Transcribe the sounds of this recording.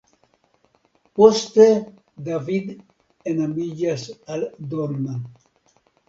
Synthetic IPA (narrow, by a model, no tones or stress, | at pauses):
post̪e | d̪avid̪ | enamiʎasald̪oɾna